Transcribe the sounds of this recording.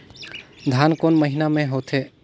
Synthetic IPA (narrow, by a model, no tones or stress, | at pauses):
d̪ʱankonməɦinamẽɦot̪ʰe